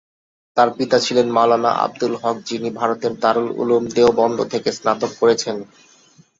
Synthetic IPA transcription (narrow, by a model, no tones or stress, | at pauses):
t̪aɾpit̪at͡ɕʰilenmalana̰ʔa̰b̚d̪ulɦɔk̚d͡ʑinibʱaɾot̪eɾt̪aɾulṵlumd̪eobɔnd̪ʱot̪ʰekesnat̪okːoɾet͡ɕʰen